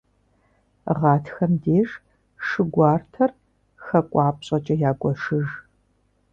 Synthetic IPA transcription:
ʁɑːtʰxɐmdeːʒ | ʂɨɡʷɑːrtʰɐr | xɐkʷʼɑːp̚ʼɕʼɐt͡ʃʼɐjaːɡʷʼɔʂɨʒ

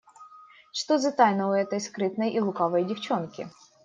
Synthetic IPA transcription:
ʂt̪ozɐt̪ajnəʊɛt̪əjskɾɨt̪nəjʔilˠʊkavəjdʲɪft͡ɕonkʲɪ̰

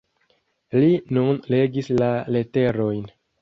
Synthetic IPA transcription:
linunle̞ɡislale̞te̞ɾo̞jn

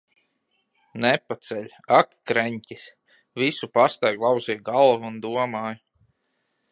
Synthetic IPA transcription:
nɛpat̪sɛʎʲ | akkɾɛɲʲtʲis | visupast̪ajɡlˠɑwziːjɡalˠvuːnd̪uɔmaːj

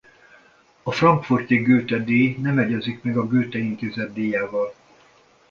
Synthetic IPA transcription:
ɒfrɒŋkfort̪iɡøːt̪ɛd̪eːnɛmɛɟɛzikmɛɡɒɡøːt̪ɛint̪eːzɛd̪ːeːjaːvɒl

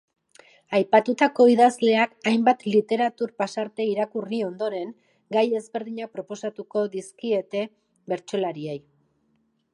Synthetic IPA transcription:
ajpat̪ut̪ako̞iðazle̞akajmbat̪lit̪e̞ɾat̪uɾpasaɾt̪e̞iɾakurio̞nd̪o̞ɾe̞ŋ | ɡaje̞zβe̞ɾðiɲapɾo̞po̞sat̪uko̞ðiskie̞t̪e̞ | βe̞ɾt͡ʃo̞laɾiej

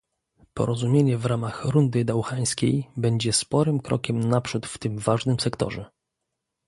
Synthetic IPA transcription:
pɔ̰ɾɔzumʲjeɲɛvɾamaxɾund̪ɘd̪awxaj̃skʲḛjbɛɲd͡ʑɛspɔɾɘmkɾɔ̰kʲɛmnapʂut̪ft̪ɘmvaʐnɘmsɛkt̪ɔ̰ʐɛ

